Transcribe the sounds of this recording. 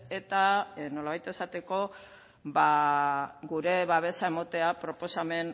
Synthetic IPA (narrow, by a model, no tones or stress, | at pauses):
e̞t̪ano̞laβajt̪e̞sat̪e̞ko̞ | βa | ɡuɾe̞βaβ̞e̞sae̞mot̪e̞apɾo̞po̞same̞n